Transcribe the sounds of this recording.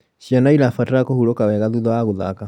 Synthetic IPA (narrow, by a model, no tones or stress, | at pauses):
ʃianailafatakɔhuɾɔkawɛɣaðuðɔaɣoða̰ka